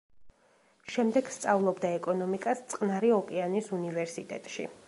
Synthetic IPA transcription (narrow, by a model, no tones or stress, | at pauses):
ʃɛmd̪ɛɡ̥st̪sʼavlˠɔbd̪aɛkʼɔnɔmikʼast̪sʼqʼnaɾiɔkʼɛanisunivɛɾsit̪ʼɛ̰t̪ʼʃḭ